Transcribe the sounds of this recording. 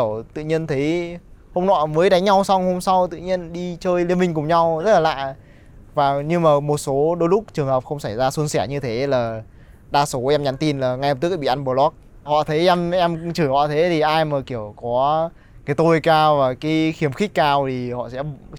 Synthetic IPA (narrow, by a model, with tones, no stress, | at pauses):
əwt̪ɨ̰˧˨ɲi˧ənt̪ʰə˨˦jho˧mnɔ̰˧˩jməː˨˦jɗa˨˦ŋ̟ɲa˧wsa˧wŋ͡mho˧msa˧wt̪ɨ̰˧˨ɲi˧ənɗi˧t͡ɕəː˧jli˧ənmï˧˩ŋ̟kʊ˨˩ŋ͡mɲa˧wzə˦˥t̚laː˨la̰ː˧˨j | vaː˨˩ɲɨ˧maː˨˩mo˨˩t̚so˨˦ɗo˨˦jlʊ˦˥k͡p̚t͡ɕɨ˨˩əŋhəː˨˩p̚xə˧wŋ͡msa˧˩jzaː˧su˧nsɛ˧˩ɲɨ˧t̪ʰe˨˦laː˨˩ | ɗaː˧so˨˦ʔɛ˧mɲa˨˦nt̪i˧nlaː˨˩ŋa˧jh̚t̪ɨ˦˥˨ɓḭ˧˨ʔa˧nɓo˧˩lɔ˦˥k̚ | hɔ̰˧˨t̪ʰə˨˦jʔɛ˧mʔɛ˧mt͡ɕɨ˧˩hɔ̰˧˨t̪ʰe˨˦t̪ʰi˨˩ʔaː˧jməː˨˩ki˧˩əwkɔ˨˦ | kaː˨˦jt̪o˧jkaː˧wvaː˨˩kaː˨˦jxi˨˦əmxï˦˥k̟̚kaː˧wt̪ʰi˨˩hɔ̰˧˨sɛ̰˧˥